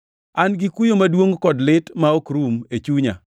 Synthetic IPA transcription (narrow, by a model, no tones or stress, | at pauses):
anɡɪkujomadwoŋkɔdlɪtmaokɾumet͡ʃuɲa̰